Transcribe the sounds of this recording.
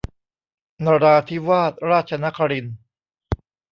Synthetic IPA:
naː˧ɾaː˧t̪ʰi˦˥waː˥˩t̪̚ɾaː˥˩t̪̚t͡ɕʰa˧na˦˥kʰa˧ɾi˧n

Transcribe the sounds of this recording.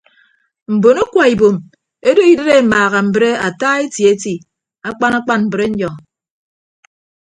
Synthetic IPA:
m̩˨bo˨no˦kʷa˨i˨bo˨m | e˦do˦i˨˦de˦ɾe˦˨maː˨ɣa˨m̩˨bɾe˦a˨taː˦e˦tji˨e˨˦ti˨ | a˦k͡pa˦na˦k͡pa˦nm̩˨bɨ˨ɾe˦ɲ̩˦d͡ʒɔ˨ŋ

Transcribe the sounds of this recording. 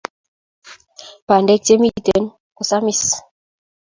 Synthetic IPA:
pa˨ndɛ˦k̚te˦mi˦˨tɛ˨˦n | ku˨sa˦mi˦s

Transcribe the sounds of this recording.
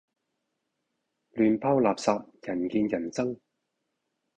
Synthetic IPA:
lyː˨npʰaː˥wlaː˨p̚saː˧p̚jɐ˨˩nkiː˧njɐ˨˩nt͡sɐ˥ŋ

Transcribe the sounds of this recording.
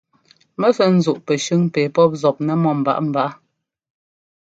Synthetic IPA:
mɛ˦fɛ˦n̩˦zu˨ʔpɛ˨ʃʉ˦ŋpe˨pɔ˦p̚zɔ˨p̚nɛ˦mɔ˦˨m̩˨ba̰˨ʔm̩˨ba˨ʔ

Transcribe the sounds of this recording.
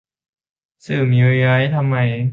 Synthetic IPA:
sɯː˨˩mi˧ɾi˧ɾa˦˥jt̪ʰa˧mːa˧˩j

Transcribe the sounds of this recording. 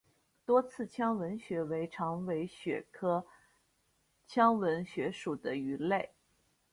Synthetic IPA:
t̪wɔ˥t͡sʰɹ̩˥˩t͡ɕʰjɑ˥ŋwə˧˥nɕɥɛ˧˥we˧˥ɪʈ͡ʂʰɑ˧˥ŋwe˧˥ɪɕɥɛ̰˨˩kʰɤ˥ | t͡ɕʰjɑ˥ŋwə˧˥nɕɥɛ˧˥ʂu˨˩d̪ə˦y˧˥le˥˩ɪ

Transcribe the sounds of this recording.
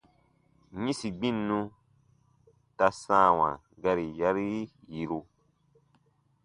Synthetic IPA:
ɲĩ˦si˨ɡ͡bĩ˦˨nːũ˦ | ta˧sãː˦˨wã̰˨ | ɡa˦ɾi˨ja˦ɾi˦ | ji˨ɾu˦

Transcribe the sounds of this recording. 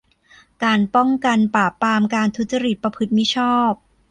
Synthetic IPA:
kaː˧npɔ˥˩ŋka˧npaː˨˩pːaː˧mkaː˧nt̪ʰu˦˥t̪̚t͡ɕa˧ɾi˨˩t̪̚pɾa˧pʰɯ˦˥t̪̚mi˦˥t͡ɕʰɔː˥˩p̚

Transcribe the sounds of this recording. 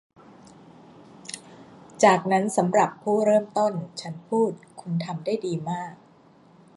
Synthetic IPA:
t͡ɕaː˨˩k̚na˦˥nsa˩˦mɾa˨˩pʰːuː˥˩ɾɤː˥˩mt̪o˥˩nt͡ɕʰa˦˥npʰuː˥˩t̪̚kʰu˧nt̪ʰa˧mdaː˥˩jdiː˧maː˥˩k̚

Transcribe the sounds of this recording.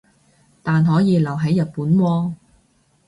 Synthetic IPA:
t̪aː˨nɦɔː˨˥jiː˨˧lɐ˨˩wɦɐ˨˥jːɐ˨t̚puː˨˥nwɔː˧

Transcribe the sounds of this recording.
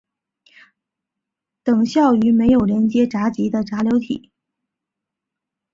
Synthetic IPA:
t̪ɤ˨˩ŋɕjɑ˥˩ʊy˧˥me˧˥ɪjo˨˩ʊljɛ˧˥nt͡ɕjɛ˥ʈ͡ʂa˧˥t͡ɕi˧˥d̪ə˧ʈ͡ʂa˧˥ljo˧˥ʊt̪ʰḭ˨˩˦

